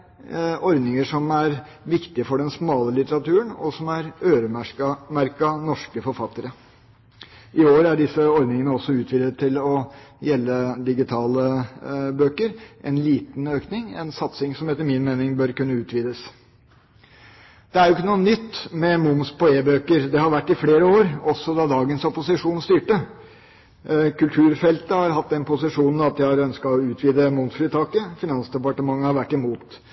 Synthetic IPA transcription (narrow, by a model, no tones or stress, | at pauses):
ɔɾd̪nɪŋəʂɔmæɾ | ʋɪkt̪ɪəfɔɖɛnsmɑːləlɪt̪əɾɑt̪ʉːəɳɔsɔmæɾøːɾəmɑmæɾkɑnɔʂkəfɔɾfɑt̪ːəɾə | ʔɪoːɾæɖɪsːəɔɾd̪nɪŋənəɔsːɔʉːt̪ʰʋiːd̪ət̪ʰːɪlɔjɛlːəd̪ɪɡɪt̪ʰɑːləbøːkəɾʔɛ̰nliːt̪nøːknɪŋɛ̰nsɑt̪sɪŋsɔmɛt̪ːəɾmɪnmeːnɪŋbœɾkʉnːəʉːt̪ʰʋiːd̪əs | d̪̥ɛæɾjʊɪkːənuːənʏt̪ːmɛmʊmspɔeːbøːkəɾd̪ɛhɑɾʋæʈːɪfleːɾəoːɾɔsːɔd̪ɑd̪ɑːɡənsɔpʊsɪʂuːnst̪yːʈə | kʰʉlt̪ʰʉːɾfɛlt̪əhɑɾhɑt̪ːd̪ɛnpʰʊsɪʂuːnn̩ɑt̪̚jæɑɾœnskɑɔʉːt̪ʰʋiːd̪əmʊmsfɾɪt̪ʰɑːkəfɪnɑnsd̪ɛpɑʈəmɑŋːəhɑɾʋæʈːɪmuːt̪